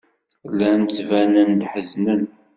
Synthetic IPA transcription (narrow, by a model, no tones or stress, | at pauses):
lːænt͡sːvænənd̪ħəznən